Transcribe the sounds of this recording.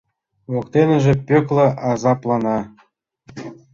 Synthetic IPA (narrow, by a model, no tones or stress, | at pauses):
ʋokt̪enʲɘ̆ʒĕpʲøklʲɤ̆ʔɑzɑplˠɑnɑ